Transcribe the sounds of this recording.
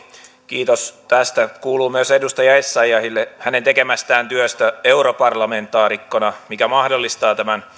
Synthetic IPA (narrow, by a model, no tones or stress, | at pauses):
kiːt̪ost̪æst̪ækuːluːmyøsedust̪ɑjɑesːɑjɑhilːehænent̪ekemæst̪æːnt̪yøst̪æeuropɑrlɑment̪ˑɑːrikːonɑmikæmɑhdolːist̪ɑːt̪æmæn